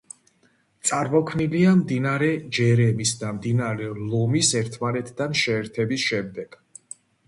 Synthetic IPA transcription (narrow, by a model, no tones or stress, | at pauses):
t̪sʼaɾmɔkʰniliamd̪inaɾɛd͡ʒɛɾɛmisd̪amd̪inaɾɛlˠɔmisɛɾt̪ʰmanɛt̪ʰd̪anʃɛːɾt̪ʰɛbisʃɛmd̪ɛɡ̥